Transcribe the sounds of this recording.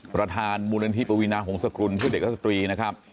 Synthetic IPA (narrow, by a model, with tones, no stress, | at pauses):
pɾa˧t̪ʰaː˧nmuː˧la˧ni˧t̪i˦˥pa˧wi˦˥naː˧kʰɔː˩˦ŋsa˧kɾu˧npʰɯ˥˩de˨˩k̚ɾa˥˩sa˧t̪ɾiː˧na˦˥kʰɾa˦˥p̚